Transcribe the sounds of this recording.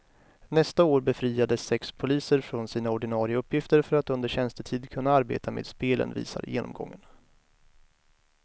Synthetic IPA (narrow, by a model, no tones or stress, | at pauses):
nɛst̪aoːɾbɛfɾiːad̪əsːɛkspʰʊliːsəɾfɾɔnsiːnaɔɖɪnɑːɾɪaɵpːjɪft̪əɾfœɾat̪ɵnd̪əɾɕɛnst̪ət̪ʰiːd̪kʰɵnːaaɾbḛːt̪ʰamḛːd̪speːlə̰nvḭːsa̰ɾjḛːnɔ̰mɡɔ̰ŋːən